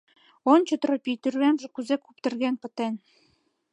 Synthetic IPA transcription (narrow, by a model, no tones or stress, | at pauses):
ont͡ɕŏt̪ropʲijt̪yrβænʒĕkuzekupt̪ɤ̆rɣænpə̆t̪en